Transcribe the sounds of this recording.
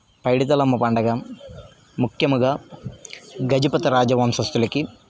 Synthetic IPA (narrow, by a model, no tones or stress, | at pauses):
pɐjɽit̪̬ɐlɐmːɐpɐɳɖɐɡa | mukʰjɐmuɡaː | ɡɐd͡ʒipɐt̪ɐɾaːd͡ʒɐʋɐmsɐst̪ulɐki